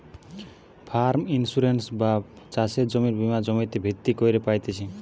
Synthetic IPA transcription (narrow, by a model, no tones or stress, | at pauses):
pʰaɾminsuɾensba | t͡ʃased͡ʒɔmiɾbimad͡ʒɔmĩt̪ebʱit̪ːikɔjɾepajt̪et͡ʃʰĩ